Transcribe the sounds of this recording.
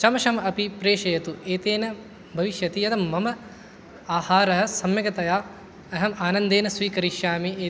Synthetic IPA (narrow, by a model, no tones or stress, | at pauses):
t͡ʃɐmɐʃɐmɐɐpipɾeːʂɐjɐt̪ueːt̪eːnɐ | bʱɐʋiʃjɐt̪ijɐt̪ɐmːɐmɐ | aːhaːɾɐɦɐ̆sɐmjɐɡɐt̪ɐjaː | ɐɦɐmaːnɐnd̪eːnɐsʋiːkɐɾiʃjaːmieː